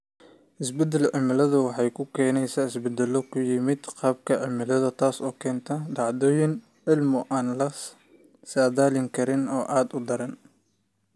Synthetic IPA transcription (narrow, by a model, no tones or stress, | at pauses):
ʔɪsbɛd̪ɛlʕɪmɪlɐðɐwɑħɑjkʰʊkʰɛːnɛjsaːɪsbɛd̪ɛlːɔkʰʊjɪmɪd̪qɑːb̚kʰɐʕɪmɪlɐðɐt̪ʰaːsɔːkʰɛːnt̪ʰɐɖɑʕd̪ɔːjɪn | ʕɪlmʊʔaːnlɐ | saːðaːlɪŋkʰɐɾɪnɔːʔaːd̪ʊd̪ɐɾɐn